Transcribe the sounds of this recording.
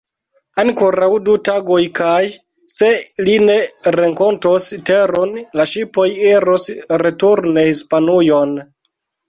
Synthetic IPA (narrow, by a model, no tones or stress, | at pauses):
ankoɾawdutaɡo̞jkaj | se̞line̞ɾeŋko̞ntosteɾonlaʃipo̞jiɾosɾe̞tuɾne̞hispanujo̞n